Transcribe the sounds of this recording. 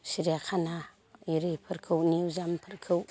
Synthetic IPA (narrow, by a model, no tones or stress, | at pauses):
siɾiakʰana | iɾipʰəɾkʰɯwniwzampʰəɾkʰɯw